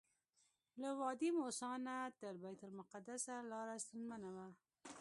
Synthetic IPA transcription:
lawɑd̪imosɑnat̪əɾbajt̪ʊlmʊqad̪asalɑɾast̪ənmanawa

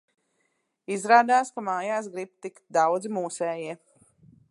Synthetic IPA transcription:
izɾaːd̪aːskamaːjaːsɡɾib̚t̪ikt̪̚d̪awd̪zmuːsɛːjiɛ

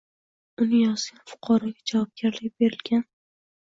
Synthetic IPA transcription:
ʊnɪjɒzɡʲanfʊ̥qʰɑɾɒɡʲad͡ʒavɒb̚ɡʲaɾlɪk̚ʲbe̞ɾɪlɡʲan

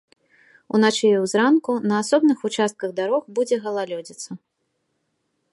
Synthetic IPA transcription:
ṵnat͡ʃɛjɛwzɾankunɐasɔbnɨxut͡ʂast̪̚kɐɣd̪aɾɔxbud͡zʲɛɣɐlˠalʲɔd͡zʲit̪sɐ

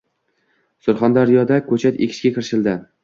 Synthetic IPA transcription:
sʊɾχand̪aɾjɒd̪akʰɵt͡ʃʰat̪ekʲʰɪ̥ʃkʲakʰʲɪɾʃɪld̪ɪ

